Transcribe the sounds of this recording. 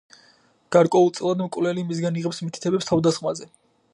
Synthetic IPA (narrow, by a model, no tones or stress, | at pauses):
ɡ̥aɾkʼwɛulˠt̪sʼlˠad̪mkʼvlɛlimis̬ɡaniʁɛpsmit̪ʰi̥t̪ʰɛbɛpst̪ʰavd̪asχmazɛ